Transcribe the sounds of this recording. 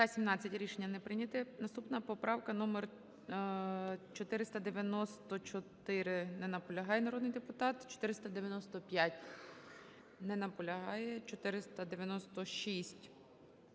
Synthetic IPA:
t̪ɐsʲimnɑt͡sʲːɐtʲɾʲiʃenʲːɐnɛpɾɪnʲɐt̪ɪnɐst̪upnɐpɔpɾɑwkɐnɔmer | t͡ʃɔt̪ɪɾɪst̪ɐd̪eʋʲjɐnɔst̪ɔt͡ʃɔt̪ɪɾɪnɛnɐpɔlʲɐɦɑjɛnɐɾɔd̪nɪjd̪epʊt̪ɑt̪t͡ʃɔ̥t̪ɪɾɪst̪ɐd̪eʋʲjɐnɔst̪ɔpʲjatʲ | nɛnɐpɔlʲɐɦɑjɛt͡ʃɔt̪ɪɾɪst̪ɐd̪eʋʲjɐnɔst̪ɔʃisʲtʲ

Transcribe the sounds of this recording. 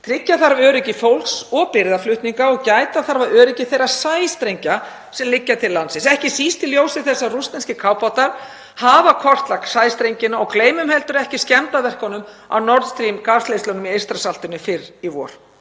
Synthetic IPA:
t̪ʰɾɪcːaθaɾvœːɾɪcɪfowlksɔɣpɪɾðaflʏht̪niŋkaɔɣcaːjt̪aθaɾvaœːɾɪcɪθejɾḁsaːjst̪ɾejɲca | sɛmlɪcːat̪ʰɪlːansɪnsɛhcɪsiːst̪ɪljoːwsɪθɛsːarust̪ɛnscɪkʰawpawt̪aɾ̥ | haːvakʰɔr̥t̪laksaːjst̪ɾejɲcɪnaɔɣkleːjmʏmhɛlt̪ʏɾɛhcɪscɛmt̪avɛr̥kɔnʏm | a̰wnɔɾt̪st̪ɾimkaːst̪ejst̪ɔnʏmiejrst̪ɾasal̥t̪ʏnɪfɪɾivɔ̰ːɾ̥

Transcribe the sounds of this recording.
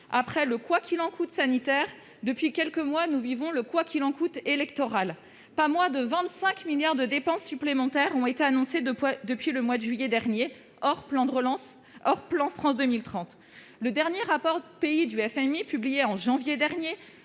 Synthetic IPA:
apχɛləkwakʰʲilɑ̃kʰut̪sanit̪ɛʁ | d̪əpɥikʲɛlkəmwanuvivɔ̃ləkwakʲʰilɑ̃kut̪elɛkt̪ɔʁal | pamwad̪əvɛ̃t̪sɛ̃kmiljaʁd̪əd̪epɑ̃sːyplemɑ̃t̪ɛʁɔ̃et̪eanɔ̃sed̪əpɥiləmwad̪əʒɥijɛd̪ɛʁnje | ɔʁplɑ̃d̪əʁəlɑ̃s | ɔʁplɑ̃fχɑ̃sd̪əmilt̪χɑ̃t̪ | ləd̪ɛʁnjeʁapɔʁpeid̪yɛfɛmipyblijeɑ̃ʒɑ̃vjed̪ɛʁnje

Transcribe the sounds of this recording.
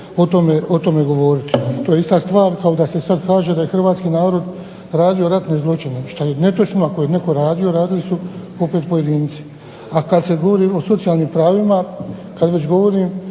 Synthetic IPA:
o̞t̪omeo̞t̪o̞me̞ɡo̞ʋo̞ːɾit̪it̪oːjeist̪ast̪ʋaːɾkao̞d̪ase̞sad̪kaːʒe̞d̪aje̞xr̩ʋaːt̪skiːnaːɾo̞d̪ | ɾaːd̪io̞ɾat̪ne̞zlˠo̞t͡ʃine̞ʃt̪ajene̞t̪ot͡ʃnoakojene̞ko̞ɾaːd̪io̞ɾaːd̪ilisu | o̞pet̪po̞je̞d̪iːnt̪si̥ | akad̪se̞ɡo̞ʋo̞ɾiːo̞so̞t̪sijaːlnimpɾaːʋimakad̪ʋe̞t͡ɕɡo̞ʋo̞ɾiːm

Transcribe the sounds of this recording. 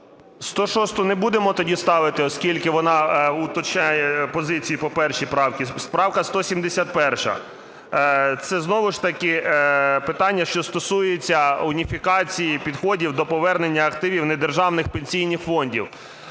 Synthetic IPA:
st̪ɔʃɔst̪ʊnebud̪emɔt̪ɔdʲist̪ɑʋɪt̪ɪɔskʲilʲkɪʋɔnɑʊt̪ɔt͡ʃnʲajɛpɔzɪt͡sʲijipɔpɛrʃipɾɑwkʲispɾɑwkɐst̪ɔsʲimd̪esʲat̪̚pɛrʃɐ̰ | t̪sɛznɔʋɪʃt̪ɐkɪpɪt̪ɑnʲːɐʃt͡ʃɔst̪ɔsujet͡sʲːɐʊnʲifʲikɑt͡sʲijipʲid̪xɔdʲiwd̪ɔpɔʋɛrnenʲːɐɐkt̪ɪʋʲiwned̪erʒɑwnɪxpenʲsʲijnɪxfɔnʲdʲiw

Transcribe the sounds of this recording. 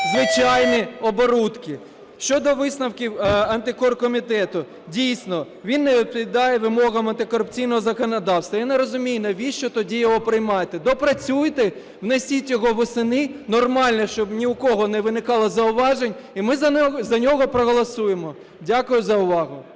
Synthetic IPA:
zʋɪt͡ʃɑjniɔbɔɾut̪kɪ | ʃt͡ʃɔd̪ɔʋɪsnɐwkʲiwɐnt̪ɪkɔrkɔmʲit̪ɛt̪ʊ | dʲijsʲnɔ | ʋʲinːeʋʲit̪̚pʋʲɪd̪ɑjɛʋɪmɔɣɐmɐnt̪ɪkɔɾʊpt͡sʲijnɔɦɔzɐkɔnɐd̪ɑwst̪ʋɐjaneɾɔzʊmʲijnɐʋʲiʃt͡ʃɔt̪ɔdʲijɔɦɔpɾɪjmɑjet̪ɛd̪ɔpɾɐt͡sʲujt̪ɪ | wnesʲitʲjɔɦɔʋɔsɪnɪnɔrmɑlʲnɐʃt͡ʃɔbnʲiʊkɔɦɔnɛʋɪnɪkɑlˠɐzɐʊʋɑʒenʲimɪzzɐnʲɔɦɔpɾɔɦɔlˠɐsujemɔ | dʲakʊjʊzɐʊʋɑɦʊ

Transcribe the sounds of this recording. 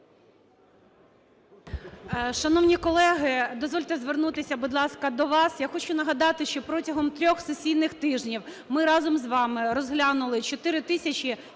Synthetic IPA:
ʃɐnɔwnʲikɔlˠɛɦɪd̪ɔzʋɔlʲt̪ezʋernut̪ɪsʲɐbud̪lˠɑskɐd̪ɔʋɑsjaxɔt͡ʃʊnɐɦɐd̪ɑt̪ɪʃt͡ʃɔpɾɔtʲɐɦɔmt̪ɾʲɔxsesʲijnɪxt̪ɪʒnʲiw | mɪɾɑzɔmzʋɑmɪɾɔzɦlʲɑnʊlˠɪt͡ʃɔt̪ɪɾɪt̪ɪsʲɐt͡ʃi

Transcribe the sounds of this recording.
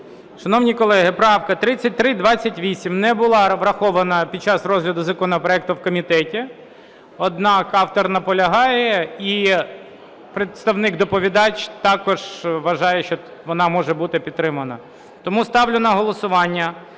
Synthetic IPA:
ʃɐnɔwnʲijkɔlˠɛɦɪpɾɑwkɐt̪ɾɪt͡sʲːɐt̚ʲt̪ɾɪd̪ʋɑt͡sʲːɐtʲʋʲisʲimnɛbʊlˠɑʋɾɐxɔʋɐnɐpʲid̪̚t͡ʃɑsrɔzɦlʲɐd̪ʊzɐkɔnɔpɾɔɛk̚t̪ʊwkɔmʲit̪ɛtʲi | ɔd̪nɑkɑwt̪ɔrnɐpɔlʲɐɦɑjɛi | pɾet̪st̪ɐwnɪɡd̪ɔpɔʋʲid̪ɑt͡ʃt̪ɑkɔʒ̥ʋɐʒɑjɛʃt͡ʃɔʋɔnɑmɔʒɛbut̪ɪpʲid̪t̪ːɾɪmɐnɐ̰ | t̪ɔmust̪ɑwlʲʊnɐɦɔlˠɔsʊʋɑnʲːɐ

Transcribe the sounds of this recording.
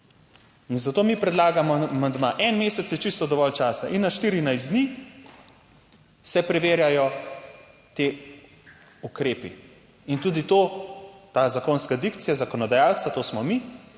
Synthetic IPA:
inzat̪oːmipɾɛd̪laːɡamɔmand̪maʔɛnmeːsɛt̪sit͡ʃist̪ɔd̪ɔʋɔlt͡ʃaːsaʔinːaʃt̪iːɾinajs̬d̪niː | sɛpɾɛʋeːɾjajɔ | t̪eː | ukɾeːpḭ | int̪uːd̪it̪oːt̪aːzakoːnskad̪ikt̪sijazakɔnɔd̪ajaːltsat̪oːsmɔmi

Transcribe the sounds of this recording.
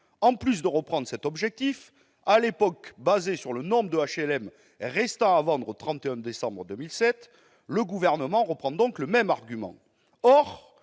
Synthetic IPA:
ɑ̃plys̬d̪əʁəpχɑ̃d̪ʁəsɛt̪ɔbʒɛk̚t̪if | alepɔkbazesyʁlənɔ̃bʁəd̪əaʃɛlɛm | ʁɛst̪ɑ̃avɑ̃d̪ʁot̪χɑ̃t̪eɛ̃d̪esɑ̃bʁəd̪ømilsɛt̪ | ləɡuvɛʁnəmɑ̃ʁəpχɑ̃d̪ɔ̃kləmɛmaʁɡʲymɑ̰̃ | ɔʁ

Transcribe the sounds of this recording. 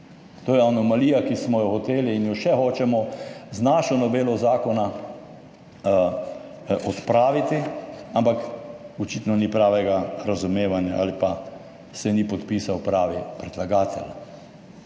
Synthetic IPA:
t̪oːjɛanɔmaliːjakismɔjɔxɔt̪eːliːnjɔʃɛxoːt͡ʃɛmɔznaːʃɔnɔbeːlɔzaːkɔna | ʔɔt̪pɾaːʋit̪iampakɔt͡ʃit̪nɔnipɾaːʋɛɡaɾazumeːʋanja̰ʔa̰lipa | sɛnipɔt̪piːsawpɾaːʋipɾɛd̪laɡaːt̪ʰɛ̰la

